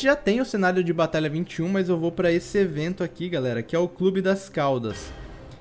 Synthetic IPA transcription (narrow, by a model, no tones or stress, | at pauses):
t͡ʃɪʒat̪ẽj̃ʊsenaɾjʊd͡ʒɪbat̪aʎɐvĩnt͡ʃɪũmɐzewvowpɾɐesɪevẽnt̪ʊakiɡalɛɾɐkɪɛʊklubɪd̪ɐskawd̪ɐs